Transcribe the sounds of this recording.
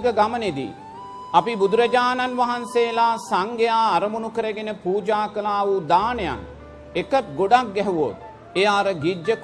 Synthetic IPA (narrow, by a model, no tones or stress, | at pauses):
ɡəɡaməned̪ḭː | ɐpibud̪uɾɐd͡ʒaːnanʋaɦanseːlaːsaŋɡejaːɾɐmunukəɾəɡenəpuːd͡ʒaːkəlaːʋud̪aːneja̰ŋ | ekət̪̚ɡoɖak̚ɡɛɦuʋo̰t̪̚ | ejaːɾəɡid͡ʒək